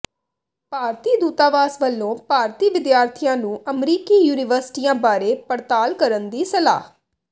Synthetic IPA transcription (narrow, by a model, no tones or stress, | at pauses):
paːɾt̪iːd̪uːt̪aːʋaːsʋəlːõːpaːɾt̪iːʋɪd̪jaːɾt̪ʰijãːnũːəmɾiːkiːjuːnɪʋəɾsɪ̥ʈiːãːbaːɾeːpəɾt̪aːlkəɾənd̪iːsəla̰ːɦ